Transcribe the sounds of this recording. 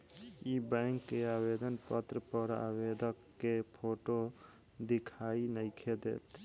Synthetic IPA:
ibɛ̃ŋkːeabed̪ənpət̪ɾəpəɾa̰bed̪ʱəkːepʰoʈo | d̪ikʰainəɪkʰed̪ḛːt̪

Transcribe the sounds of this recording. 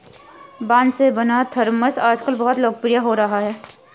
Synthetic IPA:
bãːnd̪sebɐnat̪ʰəɾməsaːd͡ʒkəlbɐɦt̪loːɡ̚pɾijaɦoɾɐɦaɦɛː

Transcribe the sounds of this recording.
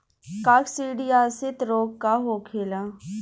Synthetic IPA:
kaːksiːɖijaːsɪt̪ɾoːkːaɦoːkʰeːlã

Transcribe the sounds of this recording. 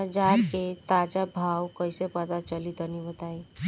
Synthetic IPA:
d͡ʒaːɾket̪ad͡ʒabʱaːwkəɪsepət̪at͡ʃəlit̪ənibət̪aːi

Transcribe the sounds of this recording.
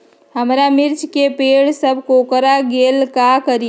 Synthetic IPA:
ɦəmɾamiɾt͡ʃkepeɽsəbʱkokəɾaɡelkakəɾi

